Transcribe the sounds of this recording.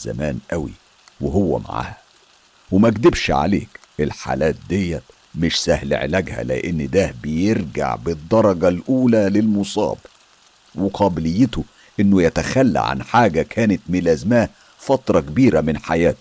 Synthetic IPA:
zæ̰mæːnʔæwḭ | weɦowːæ̰ma̰ʕa̰ːhæ | wemæɡd̪ɪbʃʕa̰lḛːkʔelħa̰ːlæːt̪̚d̪ejːæt̪ | mɪʃsæhl̰ʕḛlæɡhæ̰lɪ̰ʔenːd̪æbejeɾɡa̰ʕbɪd̪ˤːɑɾˤɑɡɑlʔuːlælɪlmosˤɑ̰ːb | weqʰɑːbɪlɪjːɪt̪o | ʔenːojæt̪æxælːæ̰ʕa̰nħaːɡækʰæːnet̪mɪlæːzmæːh | fɑt̪ɾˤɑkebiːɾæmɪnħajæːt̪

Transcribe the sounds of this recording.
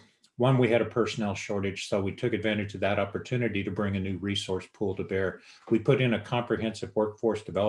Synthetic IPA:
wʌ̃nwiɨɾɨpʰɜ˞sənɛlˠʃɔɹɾɨd̥ʒ̥soʊwitʰʊkɨdvæ̃ɾ̃ɨd͡ʒ̥tʰʌðɨɾɑpə˞tʰʉnɨɾiɾɨbɹɪ̃ŋɨnʉɹisɔɹspʰulˠtʰɨbɛɹ | wipʰʊɾɨ̃nɨkʰɑ̃mpɹiɦɛ̃nsɨvwɜ˞kfɔɹsd̥ɨvɛlˠ

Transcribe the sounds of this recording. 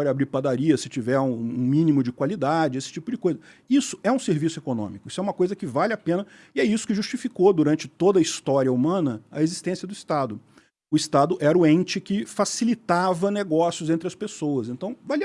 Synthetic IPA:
ɔɾabɾiɾpad̪aɾiɐsɪt͡ʃivɛɾũũmĩnimʊd͡ʒɪkwalid̪ad͡ʒɪesɪ̥t͡ʃipʊd͡ʒɪkojzɐ | isʊ̥ɛũseɾvisʊekonõ̰mikʊisʊɛũmɐkojzɐkɪvalɪapẽnɐ | ɪɛisʊ̥kɪʒust͡ʃifikod̪uɾɐ̃nt͡ʃɪt̪od̪ɐist̪ɔɾiɐumɐ̃nɐɐ̰ezist̪ẽsiɐd̪ʊist̪ad̪ʊ | ʊist̪ad̪ʊʔɛɾʊẽnt͡ʃɪkɪfasilit̪avɐneɡɔsjʊzẽnt̪ɾɪɐspesoɐzẽnt̪ɐ̃w̃val

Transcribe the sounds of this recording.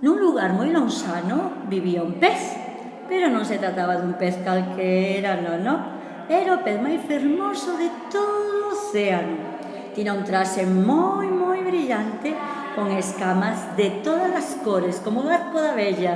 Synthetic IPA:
nuŋluɣaɾmojloŋsanʊbiβiaumpeθ | peɾonõŋset̪ɾat̪aβɐðumpeθkalkʰeɛɾanonõ | ɛɾaopeθmajfeɾmosʊðɪt̪oðoːθeanʊ | t̪inaunt̪ɾasemojmojβɾiʎant̪ɪ | koŋeskamɐzðɪt̪oðɐlɐskoɾeskomoaɾkoðaβɛʎɐ

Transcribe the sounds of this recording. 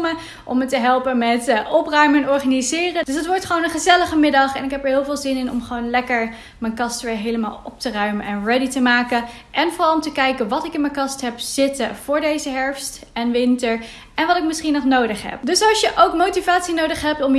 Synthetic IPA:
mə | ʔɔmətəɦɛlˠpənmɛtʔɔprœɥmənɔɹχaːnizɪːrədɵsətʋɔɹtχəʋownənχəzɛləχəmɪdɑχɛnɪkɦɛpəɹɦɪːlˠvɪːlˠzɪnɪnɔ̰mχəʋownlɛkəɹ | mɛjnkɑstʋɪːɹɦejləma̰ːlˠɔ̰p̚tərœɥmənʔɛnrɛditəmaːkə | ʔɛnvʊrɑlˠɔmtəkɛjkənʋɑtɪkɪnmɛnkɑstɦɛpz̥ɪtəv̥ʊːɹdejzəɦɛɹfst | ɛnʋɪntəɹ | ɛnʋɑtɪk̚mɪsχinɔχnowdəχɦɛ̰p̚dɵsɑlˠʃjəʔowkmowtivaːtsinowdəχɦɛp̚tɔm

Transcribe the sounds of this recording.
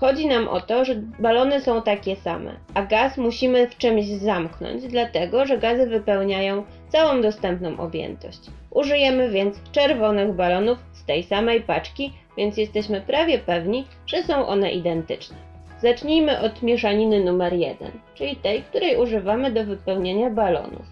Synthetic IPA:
xɔd͡ʑinamʔɔ̰t̪ɔʐɛbalɔnɘsɔ̃w̃t̪akʲɛsa̰mɛ̰ʔaɡasmuɕimɘft͡ʂɘmʑzamknɔ̰ɲd͡ʑd̪lat̪ɛɡɔʐɛɡazɘvɘpɛwɲajɔ̃w̃ | t̪sawɔ̃w̃d̪ɔst̪ɛmpnɔ̃w̃ʔɔ̰bʲjɛ̰nt̪ɔ̰ɕt͡ɕ | ʔuʐɘjɛmɘvʲjɛnt̪st͡ʂɛɾvɔnɘɣbalɔnufst̪ɛjsamɛjpat͡ʂkʲi | vʲjɛnt̪sʲjɛst̪ɛɕmɘpɾavʲjɛpɛvɲi | ʐ̥ɛsɔ̃w̃ʔɔ̰n̪ɛ̰ʔid̪ɛnt̪ɘ̰t͡ʂnɛ | zat͡ʂɲijmɘʔɔt̪mʲjɛʂaɲinɘnumɛɾjɛ̰d̪ɛ̰nt͡ʂɘlʲit̪ɛjk̚t̪uɾɛjʔuʐɘvamɘd̪ɔvɘpɛwɲeɲabalɔ̰nṵf

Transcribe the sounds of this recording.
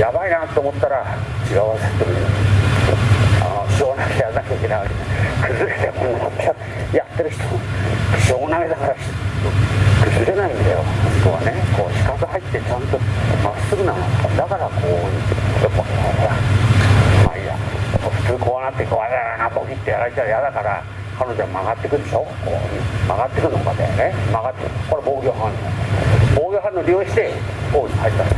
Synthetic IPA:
jabainat̪ːoːmo̞t̪ːaɾat͡ɕiɡaɯβazet̪ːomin | a̰noɕoːnakejanakaikʲenaaɾʲinakɯ̟zɨɾe̞t̪emõnːamoa | jat̪ːe̞ɾɯ̟çi̥t̪omokɯ̥ɕoːmonaɡed̪akaɾaɕokɯ̟zɨɾe̞naĩnd̪ajo̞̰moskɯβa̰ne̞ko̞ːɕi̥kakɨhait̪ːe̞t͡ɕãnt̪o̞ma̰sːɨɡɯnano̰kad̪akaɾakʰojʔopːakoa | ma̰ija̰ɸɯ̟̥t͡sɨːkʰoβanat̪ːekoβaɾaɾanapokʲit̪ːejaɾait͡ɕaɯjad̪akaɾa̰ | kʰanod͡ʑoamaɡat̪ːekɯ̟ɾeɕoko̰ːmaɡat̪ːekɯnokad̪ḛnemaɡat̪ːekoɾeboːɡʲoɦan | boːɡʲoɦãnːoɾʲioɕi̥t̪e̞koːnohait̪ːan

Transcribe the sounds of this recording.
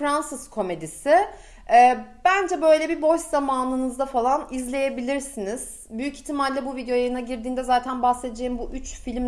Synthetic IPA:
ɾansɯskʰo̞me̞d̪isɪ | ɛːb̥ænd͡ʒɛbø̞jlʲɛbibo̞zamaːnɯnɯzd̪afalˠanizlʲe̞je̞bilʲiɾsiniz̥ | byjyci̥çt̪ʰːimalʲlːʲɛbuvid̪ejo̞jajɯnaɟiɾd̪iːnd̪ɛzaːt̪ʰænbahse̞d̪ed͡ʒe̞jimbuʔyt͡ʃfilʲm

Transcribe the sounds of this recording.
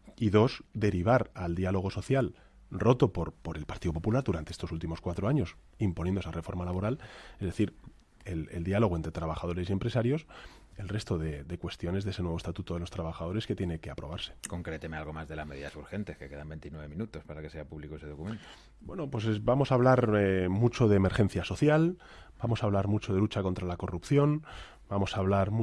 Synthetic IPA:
iðo̞sd̪e̞ɾiβ̞aɾald̪ialo̞ɣ̞o̞soθjal | ro̞t̪o̞poɾpo̞ɾe̞lpaɾt̪iðo̞po̞pulaɾðuɾant̪eest̪o̞sult̪imo̞skwat̪ɾo̞aɲo̞s | impo̞njenoesarʔe̞fo̞ɾmalaβo̞ɾalezðe̞θiɾ | elḛld̪ialo̞ɣent̪ɾe̞t̪ɾaβaxaðo̞ɾe̞sie̞mpɾesaɾjo̞s | e̞lre̞st̪o̞ðe̞d̪ekwe̞st̪jone̞zðese̞nweost̪at̪ut̪oðelo̞st̪ɾaβ̞axað̞o̞ɾe̞ske̞t̪je̞ne̞ke̞apɾo̞β̞aɾse̥ko̞ŋkɾet̪emealɣ̞omazðe̞lazme̞ðiðasuɾxe̞nt̪e̞skeke̞ðambent̪inweβemĩnut̪o̞spaɾake̞seapuβlikoeseðo̞kument̪o | bwe̞nopwe̞s̬ebamo̞saːβ̞laɾemut͡ʃo̞ðeːme̞ɾxe̞n̟θjaso̞θjal | b̥amo̞saβlaɾmut͡ʃo̞ðe̞lut͡ʃako̞nt̪ɾalako̞rupθjo̞n | bamo̞saːβlaɾm

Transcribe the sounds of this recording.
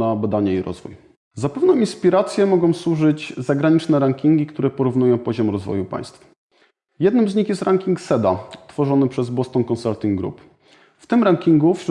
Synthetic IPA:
abad̪aɲɛiɾɔ̰zvṵj | zapɛvnɔ̃inspʲiɾat̪sʲjɛmɔɡɔ̃w̃swuʐɘd͡ʑzaɡɾaɲit͡ʂnɛɾaŋkʲiŋɡʲikt̪uɾɛpɔɾuvnujɔ̃w̃pɔʑɔmɾɔzvɔ̰jupa̰j̃st̪f | jɛd̪nɘmzɲixjɛst̪ɾaŋkʲiŋksɛd̪at̪fɔʐɔnɘpʂɛzbɔst̪ɔnkɔnsalt̪ʲiŋɡɡɾṵp | ft̪ɘmɾaŋkʲiŋɡufɕɾ

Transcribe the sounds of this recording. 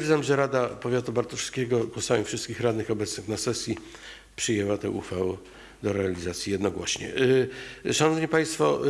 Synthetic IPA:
zamʐɛɾad̪apɔvʲjat̪ubaɾt̪ɔʂskʲɛɡɔɡwɔsamʲifʂɘst̪kʲixɾad̪nɘxɔbɛt̪snɘxnasɛsʲji | pʂɨjɛwat̪ɛʔuxfawɛ | d̪ɔɾɛalʲizat̪sʲjijɛd̪nɔɡwɔɕɲɛ̰ | ʂanɔvɲipaj̃st̪fɔ

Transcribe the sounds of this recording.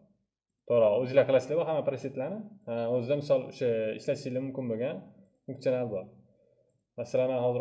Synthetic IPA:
t̪ʰoɾɒɵzɪlaklˠaslɪbɒɾɦamːapɾoset̪lanɪɵzɪd̪amɪsɒlˠo̰ʃaɪ̰ʃlaʃɪzlʲɪmʊmkʲɪnboɡʲan | fʊ̃ŋkt̪ionalbɒɾ | masalananhɒzɪɾ

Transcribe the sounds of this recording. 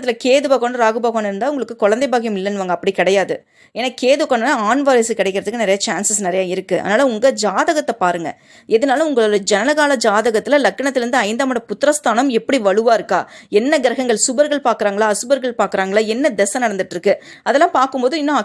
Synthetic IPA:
t̪ːɪlɐkeːðɯbaːɣoːɳɾaːɣɯbaːɣoːnɪɾɯnd̪aːʊŋɡɐɭɯkːɯkɔɻɐnd̪ɐɪbaːɣɐjɐmɪlːɐnːɯʋaːŋɡɐpːɐɽikɪɽɐjaːðɯ | eːnaːkeːðɯkːaːɳːnaːaːnʋaːɾɐsɯkɪɽɐɪkːɪɾɐðɯkːɯnɪɾɐjat͡ʃaːnsɐsnɪɾɐjaːɪɾɯkːɯʔɐ̰ːnaːlɐʊŋɡɐd͡ʒaːðɐɣɐt̪ːɐpaːɾɯŋɡɐ̰ | ɛðɐnaːlɐ̃ʊŋɡɐɭoɽɐd͡ʒɛnɐlɐɣaːlɐd͡ʒaːðɐɣɐt̪ːɪlɐlɐkːɐɳɐt̪ːɪɾɯnd̪ɯɐɪnd̪aːmɐɽɐpʊt̪ːɪɾɐst̪ʰaːnɐmɛpːɐɽiʋɐɻɯʋaːɪɾɯkːaːɛnːɐɡɪɾɐɣɐŋɡɐɭsʊbɐɾɣɐɭpaːɾkɯɾaːŋɡɐɭaːɐsɯbɐɾɣɐɭpaːɾkɯɾaːŋɡɐɭaːɛnːɐd̪ɛsɐnɐɽɐnd̪ɯʈːɾɯkːɯɐðɛlːãːmpaːɾkɯmpoːðɯɪnːõɐ

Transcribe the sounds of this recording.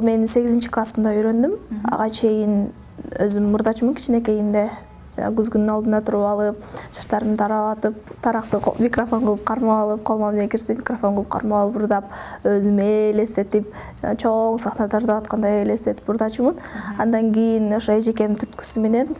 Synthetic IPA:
lˠme̞nse̞ɡizint͡ʃiklˠasɯnd̪ɑyjɾø̞nd̪ymɑ̰ʁɑt͡ʃʰe̞jin | ø̰zymmːuɾd̪ɑt͡ʃumunkʰi̥t͡ʃinek̬e̞jind̪e̞ | d͡ʒɑ̰nɑ̰ɡyzɡynynɑld̪ɯnd̪ɑt̪ʰuɾupɑlˠɯp̚d͡ʒɑʃt̪ɑɾɯmt̪ʰɑɾɑɑt̪ɯp̚t̪ʰɑɾɑqt̪ɯmʲikrofo̞ɴqɯlˠɯp̚qʰɑɾmɑɑlˠɯp̚qʰɑlˠmɑnekiɾsimʲikrofo̞nqɯlˠɯ̥p̚qʰɑ̰ɾmɑɑlˠɯpuɾd̪ɑp̚øzymele̞st̪e̞t̪ip̚ | d͡ʒɑnɑt͡ʃʰo̞ŋsɑχnɑd̪ɑɾd̪ɑβɑt̪̚qɑnd̪ɑele̞st̪e̞t̪i̥pːuɾd̪ɑt͡ʃumɯnɑnd̪ɑŋɡʲijinoʃoed͡ʒeke̞nmt̪ʰyt̪ky̥syme̞ne̞n

